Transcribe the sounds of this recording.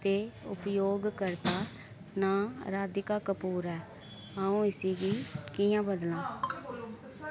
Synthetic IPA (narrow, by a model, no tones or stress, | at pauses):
t̪eːʊ̰pjoːɡkəɾt̪aː | naːɾaːd̪ɪkaːkəpuːɾɛː | ãːũːɪsiːɡiːkijãːbəd̪lãː